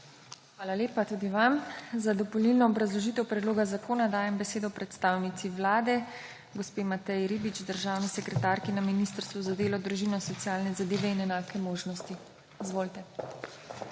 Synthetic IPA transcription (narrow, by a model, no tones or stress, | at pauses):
xʋaːlaleːpat̪ud̪iʋamzad̪ɔpɔlilnɔːbɾazlɔʒiːt̪ɛwpɾɛd̪loːɡazakoːnad̪aːjɛmbɛseːd̪ɔpɾɛt̪st̪aːwnit̪siʋlaːd̪ɛ | ɡɔspeːmat̪ɛjɾibit͡ʃd̪əɾʒaːwnisɛkɾɛt̪aɾkinaminist̪əɾst̪ʋuzad̪eːlɔd̪ɾuʒiːnɔsɔt̪sijaːlnɛzad̪eːʋɛinɛnaːkɛmoːʒnɔst̪i | izʋoːlt̪ɛ